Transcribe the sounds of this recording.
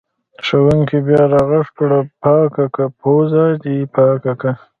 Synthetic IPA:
ʂawəŋkibjɑːɾɑɣaʂpɽapɑːkakapʰozad̪ipɑːkaka

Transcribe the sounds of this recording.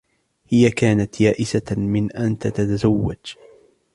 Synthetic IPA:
hɪjakaːnat̪jaːʔɪsamɪnʔant̪at̪at̪azawːad͡ʒ

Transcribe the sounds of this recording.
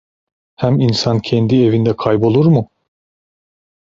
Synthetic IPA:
hæminsancʰɛnd̪ie̞vind̪ɛkʰajbo̞lˠuɾmʊ

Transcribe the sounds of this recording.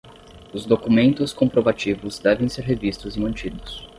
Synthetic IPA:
ʊzd̪okumẽnt̪ʊskõpɾovat͡ʃivʊzd̪ɛvẽj̃seɾɦevist̪ʊzɪmɐ̃nt͡ʃid̪ʊs

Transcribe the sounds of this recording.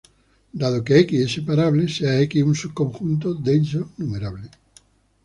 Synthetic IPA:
d̪aðokeekiesepaɾaβleseaekiunsukõ̞ŋxunt̪̬od̪ensonumeɾaβle

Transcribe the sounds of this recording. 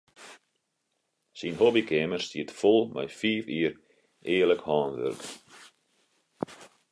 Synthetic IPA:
sinɦobikʰɛːmərstiətfɔlˠmɛ̰jfiːfiːər | ɪːərləkhɑːnʋø̰rk

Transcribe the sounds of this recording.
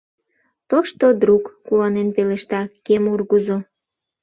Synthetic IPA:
t̪oʃt̪od̪ɾukːulɑnenpeleʃt̪ɑkemurɣuzo

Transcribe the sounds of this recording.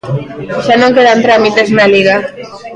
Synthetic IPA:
ʃanõŋkeðant̪ɾamit̪eznaliɣa

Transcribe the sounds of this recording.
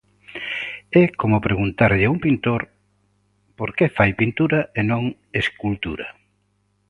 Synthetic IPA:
ɛkomʊpɾeɣunt̪aɾʎɪuŋpint̪oɾ | poɾkefajpint̪uɾɐenõŋ | eskult̪uɾɐ̰

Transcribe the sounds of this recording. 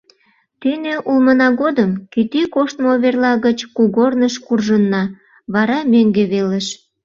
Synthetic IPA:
t̪yneʔulmənɑɣod̪əmkit̪ykoʃt̪mooβerlɑɣət͡ɕkuɣornəʃkurʒənːɑ | βɑɾɑmøŋɡeβeləʃ

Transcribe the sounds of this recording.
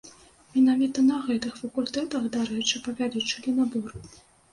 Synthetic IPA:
mʲinavʲit̪ɐnɐɣɛt̪ɨxfɐkulʲt̪ɛt̪ɐxd̪aɾɛt͡ʂɨpɐvʲaɾʲɛt͡ʂɨlʲinɐbɔr

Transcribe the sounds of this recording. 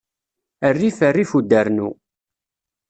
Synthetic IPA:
ərːifərːifud̪ːəɾnṵ

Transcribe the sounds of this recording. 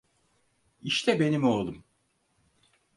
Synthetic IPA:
iʃt̪ʰɛbe̞nimolˠd̪um

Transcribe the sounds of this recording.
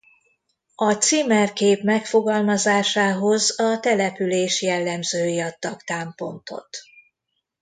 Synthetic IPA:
ɒt̪siːmɛrkeːpmɛkfo̞ɡɒlmɒzaːʃaːɦo̞zɒt̪ɛlɛpyleːʃjɛlːɛmzøːjiɒt̪ːɒkt̪aːmpo̞nt̪o̞̰t̪

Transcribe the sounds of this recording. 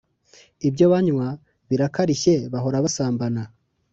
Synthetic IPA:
ibɟo̞βaɲwa | βiɾakaɾiçe̞βaɦo̞ɾaβasaːmbana

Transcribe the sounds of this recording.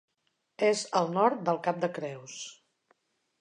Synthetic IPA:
ezəlˠnɔɾt̪̚d̪əlˠkap̚d̪əkɾɛws

